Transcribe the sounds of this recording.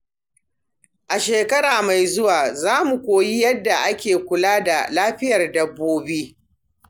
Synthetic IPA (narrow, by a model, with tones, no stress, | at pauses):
ʔa˨ʃeː˨kɐ˦ɽaː˨ma˨jzʊ˦waː˨zaː˦mu˨kʷoː˨ji˦jɐ˦dːa˨ʔa˦kʲeː˨kʷʊ˨laː˦da˨laː˦ɸɪ˦jɐ˨rdɐ˦bːoː˦biː˦